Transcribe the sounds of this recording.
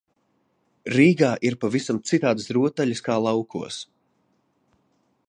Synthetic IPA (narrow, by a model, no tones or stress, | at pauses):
ɾiːɡaːʔiɾpavisamt̪sit̪aːd̪ɨsɾuɔt̪aʎiskaːlˠawkʰuɔs